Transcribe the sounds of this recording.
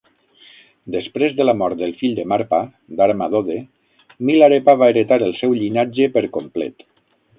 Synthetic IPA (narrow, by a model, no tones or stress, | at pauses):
d̪əspɾezðəlamɔɾt̪̚d̪əlˠfiʎd̪əmaɾpa | d̪aɾmaðoðe | milaɾepaβaeɾet̪aɾəlˠsɛwʎinad͡ʒəpəɾkomplɛ̰t̪